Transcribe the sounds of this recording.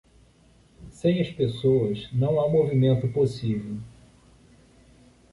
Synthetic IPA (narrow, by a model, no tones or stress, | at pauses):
sẽj̃ɐspesoɐznɐ̃w̃amovimẽnt̪ʊposivew